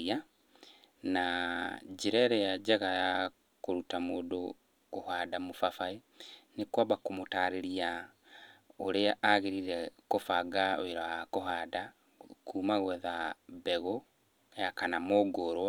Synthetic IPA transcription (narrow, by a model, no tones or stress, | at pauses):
a | nad͡ʒeɾɛɾɛjad͡ʑaɣaja | koɾutamoːdo | kohaːdamofafae | nekwabakomotaɾeɾia | oɾeaʔaɣeɾiɾɛkofaɡao̰weɾaakoɦaːda | kʰuːmaɣwɛðabɛɣo | jakanamoɡoɾwa